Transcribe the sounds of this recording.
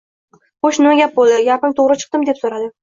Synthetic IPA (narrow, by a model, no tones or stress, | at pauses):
χoʃnɪmaɡʲap̚bolˠd̪ɪɡʲapɪmt̪ʰoʁɾɪt͡ʃʰɨ̥q̚t̪ɪmd̪e̞psoɾad̪ɪ